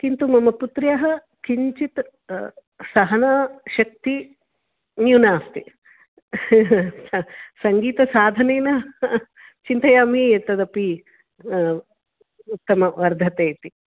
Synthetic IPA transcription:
kint̪umɐmɐput̪ɾjɐɦɐ | kiɲt͡ʃit̪ | sɐɦɐnɐʃɐk̚t̪i | njunaːst̪i | sɐŋɡiːt̪ɐsaːd̪ʱɐneːnɐ | t͡ʃint̪ɐjaːmiet̪ːɐd̪ɐpi | ut̪ːɐmɐʋɐɾd̪ʱɐt̪eːt̪i

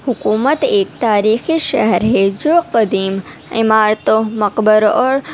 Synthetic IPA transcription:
hʊkuːmət̪eːk̚t̪aːɾiːxiʃɐɦɛɾɦed͡ʒoːqɐd̪iːm | ɪ̰maːɾt̪õmɐqbəɾɔːɾ

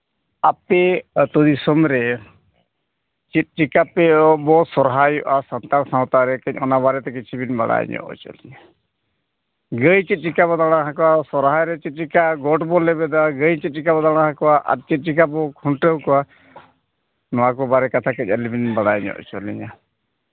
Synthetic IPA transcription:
apɛt̪ɔd̪isɔmɾɛ | t͡ʃit̪̚ʈikapɛbɔsɔɾɦajɔʔasɔnt̪aɾsãwt̪aɾɛkɛɲ̚ˀɔnabaɾɛt̪ɛkit͡ʃʰibinba̰ɽa̰j̰ɲɔ̰ʔɔ̰t͡ʃɔ̰liɲa | ɡəjt͡ʃit̪̚ʈikabɔd̪aɽ̃aɦãkɔasɔɾɦajɾɛt͡ʃit̪̚ʈikaɡɔʈbɔlɛbɛd̪aɡəjt͡ʃit̪̚ʈikabɔd̪aɽ̃aɦãkɔaʔa̰ɾ̚t͡ʃit̪̚ˀʈikabɔkʰuʈɾewkɔa | nɔwakɔbaɾɛkat̪ʰakəc̚ˀəlibinbaɽajɲɔ̰ʔt͡ʃɔliɲa

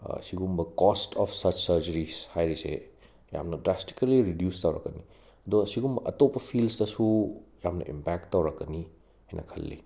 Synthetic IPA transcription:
siɡumbɐkɔstʰɔpʰsɐt͡ʃsɐɾd͡ʒɐɾishajɾisḛ | ja̰mnɐdɾasti̥kɐliɾidjustawɾɐ̰kːɐni | ɐd̪ɔɡsiɡumbɐʔɐtopːɐpʰilsdɐsujamnɐ̰ʔḭmpak̚tːɐwɾɐkːɐni | hɐjnʔɐ̰kʰɐ̰lːḭ

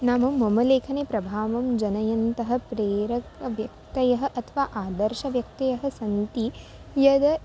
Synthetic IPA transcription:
naːmɐːɐmɐleːkʰɐneːpɾɐbʱaːʋɐmd͡ʒɐnɐjɐnt̪ɐɦɐ̆pɾeːɾɐkɐʋjɐk̚t̪ɐjɐɦɐ̆ʔɐt̪ʰɐʋaːʔaːd̪ɐɾʃɐʋjɐk̚t̪ɐjɐɦɐ̆sɐnt̪i | jɐd̪ɐ

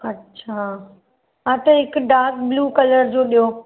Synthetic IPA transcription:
ɐtːɕʰa | ɦãt̪ɐɦɪkʊɖaːɾk̚bluːkɐləɾd͡ʑoːɗijo

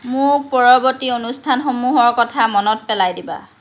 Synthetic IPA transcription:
mʊɹpɔɹɔbɔtionustʰanxomuɦɔɹkɔtʰamɔnɔt̚pɛlajdiba̰

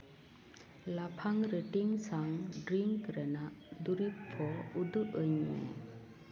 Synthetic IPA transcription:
lapʰaŋɾəʈiŋsaŋɖɾiŋkɾənaʔd̪uɾipʰːɔud̪ɯʔɯɲḛ

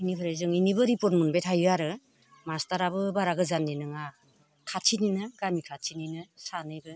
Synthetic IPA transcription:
inikʰɯɾɯjzɯŋinibɯɾipɔt̚mɯnbetʰajɯaɾɯ | mastaɾabɯbaɾaɡɯzanːinɯŋa | kʰat͡ʃʰininɯɡamikʰat͡ʃʰininɯsanɯjbɯ

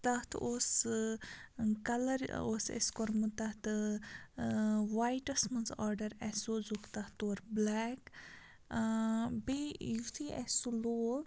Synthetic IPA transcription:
t̪ɐht̪ʰoːs | kɐlɐɾosḛskɔɾmut̪ɐt̪ | ʋaːjʈɐsmɐnzaːɾɖɐɾɛsozukt̪ɐht̪oːɾblɛːk | bejut̪ʰiɛ̰soloːɾ

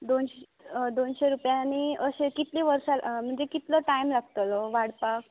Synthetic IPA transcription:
d̪onɕ | d̪onɕeɾupjaniəɕekit̪liʋəɾɕam̤əɳd͡zekit̪ləʈaimlaɡt̪əlɔʋaɽpak̚

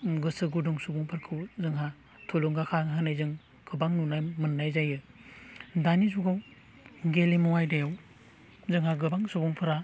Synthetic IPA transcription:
ɡɯsɯɡuduŋsubuŋpʰɯɾkʰɯwzɯŋɦa | tʰuluŋɡakʰaɦɯnajzɯŋ | kʰɯbaŋnunajmɯnːajzajɯ | danizuɡaw | ɡelimuwajdajaw | zɯŋhaɡɯbaŋsubuŋpʰɯɾa

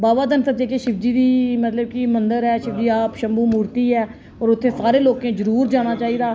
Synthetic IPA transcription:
baːʋaːd̪ənsəd͡ʒeːkeʃɪfd͡ʒiːd̪iːmət̪ləb̚kɪmənd̪əɾɛːʃɪfd͡ʒiːaːpʃəmbuːmuːɾt̪iːɦɛː | ɔːɾʊt̪ʰːeːsaːɾeːloːkẽːzəɾuːɾd͡ʒaːɽ̃aːt͡ʃaːiːd̪aː

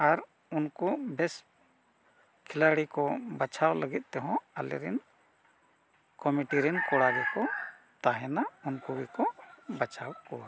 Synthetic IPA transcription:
aɾ | unkubɛs | kʰɛlaɽikɔbat͡ʃʰawləɡit̪̚ˀt̪ɛɦɔ̃alɛ̰ɾɛ̰n | kɔmiʈiɾɛnkɔɽaɡɛkɔ | t̪aɦɛnaunkuɡikɔbat͡ʃawkɔ

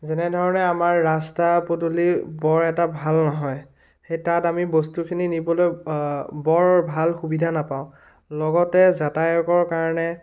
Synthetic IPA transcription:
zɛnɛdʱɔɹɔnɛamaɹːastapotulibɔɹɛtabʱalnɔɦɔj | xejtatamibostukʰininibɔlojbɔɹbʱalxubidʱanapãʊ̃ | lɔɡɔtɛzatajɔkɔɹkaɹɔnɛ

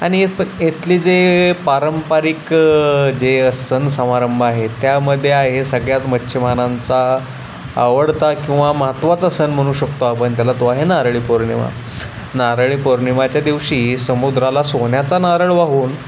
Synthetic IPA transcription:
aɽ̃ieet̪liːd͡zepaɾəmpaɾik | d͡zeəsənsəmaɾəmbʱaɦet̪jaməd̪ʱːjeaɦesəɡɭjat̪mətːɕʰimanant͡sa̰ː | ʋəɽt̪akĩw̃ʋaməɦət̪ʋat͡sasənm̤əɽ̃uːɕəkt̪oapəɳt̪jalat̪oaɦenaɾɭiːpoɾɳḭma̰ | naɾɭiːpoɾɳimat͡ɕjad̪iʋɕiːsəmud̪ɾalasoɳjat͡sanaɾəɭʋaɦuːn

